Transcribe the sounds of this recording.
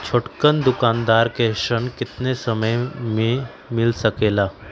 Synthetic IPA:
t͡ʃʰoʈkənd̪ʊkaːnd̪aːɾkeʃəɳkɪt̪nesəməjmẽ | mɪlsəkeːlaː

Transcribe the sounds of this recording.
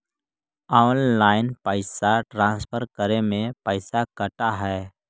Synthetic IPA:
ɔːnlaːɪnpəɪsaʈɾãːspʰəɾkəɾemẽpəɪsakəʈaɦɛː

